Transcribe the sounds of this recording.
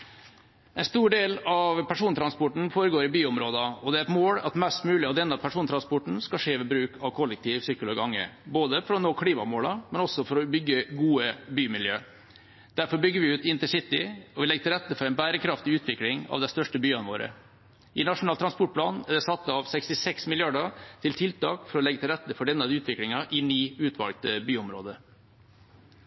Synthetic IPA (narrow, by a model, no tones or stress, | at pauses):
ʔɛɪnst̪uːɖeːlɑʋpʰæʂuːnt̪ʰɾɑnspɔʈɳ̩foːɾəɡoːɾɪbyːʊmɾoːd̪ɑɔd̪ɛæɾɛt̪moːɽɑ̰t̪mɛst̪mʉːlɪɑʋd̪ɛnːəpʰæʂuːnt̪ʰɾɑnspɔʈɳ̩skɑʂeːʋɛbɾʉːkʰɑʋkʰɔlɛk̚t̪ʰiːʋsykʊlɔɡɑŋːə̰boːd̪əfɔɾɔnoːkʰɽiːmɑmoːɽɑmɛnɔsːɔfɔɾɔbʏɡːəɡuːəbyːmɪljøː | d̪̥æɾfɔɾbʏɡːəɾʋɪʉːt̪ɪnt̪əsɪt̪ːɪ̰ɔʋɪlɛɡət̪ʰɪlɾɛt̪ːəfɔɾɛɪnbæːɾəkʰɾɑft̪ɪʉːt̪ʰʋɪklɪŋɑ̰ʋd̪ɛst̪œʂʈəbyːɑnəʋoːɾə̰ | ʔɪnɑʂʊnɑːlt̪ɾɑnspɔʈ̚pʰlɑːnæd̪ɛsɑt̪ːəɑʋsɛkst̪ɪsɛksmɪljɑɖət̪ʰɪlt̪ʰɪlt̪ɑ̰ːkfɔɾɔlɛɡət̪ɪlɾɛt̪ːəfɔɖɛnɑd̪əʉːt̪ʰʋɪklɪŋɑʔɪniːʉːt̪ʰʋɑ̰lɡt̪əbyːɔmɾo̰ːd̪ə